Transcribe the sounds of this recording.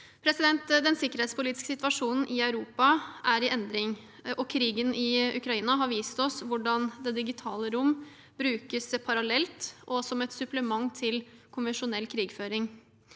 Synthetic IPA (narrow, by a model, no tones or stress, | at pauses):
pʰɾɛsɪd̪ɛnt̪d̪ɛnsɪkːəɾheːt̪spʊliːt̪ɪ̥skəsɪt̪ʋɑʂuːnn̩ʔɪɑʉɾuːpɑʔæɾɪʔɛnd̪ɾɪŋ | ʔɔkʰɾiːɡənʔɪʉ̰kɾɑiːnɑɦɑɾʋiːst̪ɔsʋʊɖɑnd̪ɛd̪ɪɡɪt̪ʰɑːləɾʊmː | bɾʉːkəspʰɑɾɑlɛlt̪ʔɔsɔmɛt̪sʉpləmɑŋt̪ʰɪlkʰʊnʋɛnʂʊnɛlːkʰɾiːɡføːɾɪŋ